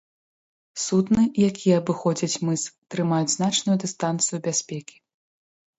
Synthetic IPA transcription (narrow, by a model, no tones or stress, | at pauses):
sut̪nɨjakʲijɛɐbɨxɔd͡zʲɐt͡sʲmɨst̪ɾɨmajud͡zʲznat͡ʂnujud̪ɨst̪ant̪sɨjubʲasʲpʲɛkʲi̥